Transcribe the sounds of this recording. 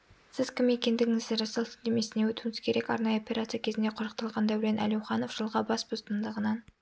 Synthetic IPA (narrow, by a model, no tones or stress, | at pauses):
sɪz̥kʲʰɪmːekʲe̞nd̪ɪɡʲɪŋɪzɾɑsəlˠd̪eme̞sɪnewɵt̪uŋɪz̥kʲʰe̞ɾe̞kɑ̰ɾnɑjəopʲeɾat̪sɨjakʲʰe̞zɪnd̪eqʰʊʒəq̚t̪ɑlˠʁɑnd̪æwɾe̞nʔæ̰lewχɑno̞fʒ̥əlˠʁɑbɑsbost̪ənd̪əʁənɑn